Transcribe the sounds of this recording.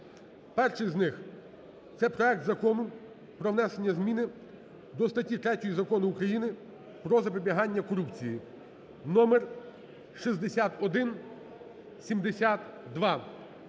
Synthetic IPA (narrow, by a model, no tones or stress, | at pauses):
pɛrʃɪjznɪx | t̪sɛpɾɔɛk̚t̪zɐkɔnʊ | pɾɔwnɛsenʲːɐzmʲinɪ | d̪ɔst̪ɐtʲːit̪ɾɛtʲɔjizɐkɔnʊːkɾɐjinɪ | pɾɔzɐpɔbʲiɦɑnʲːɐkɔɾupt͡sʲiji | nɔmer | ʃizd̪esʲat̪ɔd̪ɪn | sʲimd̪esʲat̪d̪ʋɑ